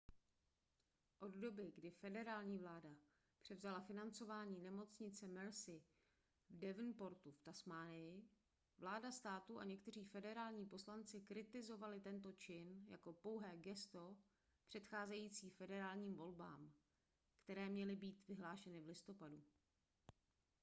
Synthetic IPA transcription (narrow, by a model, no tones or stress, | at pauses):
ʔo̞d̪do̞bɪɡdɪfɛdɛɾaːlɲiːvlaːda | pr̝̥ɛvzalafɪnant͡so̞vaːɲiːnɛmo̞t͡sɲɪt͡sɛmɛɾsɪ | vdɛvnpo̞ɾt̪uft̪asmaːnɪjɪ | vlaːdast̪aːt̪uʔa̰ɲɛkt̪ɛr̝iːfɛdɛɾaːlɲiːpo̞slant͡sɪkɾɪt̪ɪzo̞valɪt̪ɛnt̪̬o̞t͡ʃɪnja̰ko̞po̞wɦɛːɡɛst̪o̞ | pr̝̥ɛt̪xaːzɛjiːt͡siːfɛdɛɾaːlɲiːmvo̞lba̰ːm | kt̪ɛɾɛːmɲɛlɪbiːt̪vɪɦlaːʃɛnɪvlɪst̪o̞padu